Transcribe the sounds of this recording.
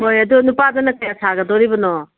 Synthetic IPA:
ɦojɐdunupadɐnɐkɐjasʰaɡɐdɔɾibɐnɔ

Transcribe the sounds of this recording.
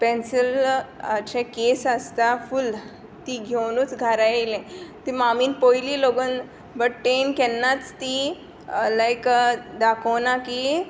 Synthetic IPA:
pɛ̃nsəlat͡ɕẽkesəst̪aful | t̪iɡʱewnuːt͡sɡʱaɾajelẽt̪imamiːnpojliːloɡən | bəʈʈenkɛnːat͡st̪i | lajkd̪akʰownaki

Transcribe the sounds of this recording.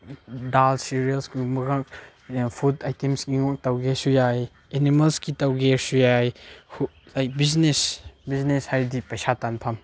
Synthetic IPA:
dalsiɾiɐlskumɐɡak | pʰudajtemsɡiŋɔk̚tawɡesujaj | enimɐlskitawɡeɾsujajhu | lajk̚biznesbizneshajɾdipɐjsatanpʰɐm

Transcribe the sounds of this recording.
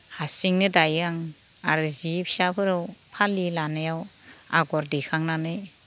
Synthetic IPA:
hasiŋnɯdajaŋ | aɾzipʰi̥sapʰɯɾɯwpʰalilanajawa̰ɡɔɾdekʰaŋnanɯj

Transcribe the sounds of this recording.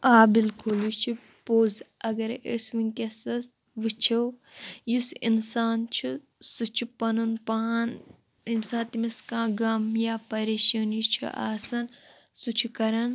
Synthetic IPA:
aːbilkʰoːlut͡ʃʰi | poːzɐɡɐɾḛsʋinkesɐs | ʋɨt͡ʃʰewjusinsaːnt͡ʃʰu | sut͡ʃʰupɐnunpaːn | insãːt̪imiskãːɡɐmjaːpɐɾeːʃɐːnit͡ʃʰṵʔa̰ːsɐn | sut͡ʃʰukɐɾɐn

